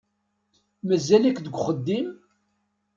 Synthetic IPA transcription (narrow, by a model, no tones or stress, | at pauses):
mæzːælækːd̪əɡʷχəd̪ːim